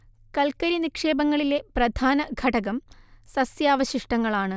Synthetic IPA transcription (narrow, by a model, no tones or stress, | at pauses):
kɐlkɐɾinikʂe̞ːbɐŋːɐɭile̞prɐd̪ʱaːnɐɡʱɐɽɐɣɐmsɐsjaːʋɐɕiʂʈɐŋːɐɭaːɳɨ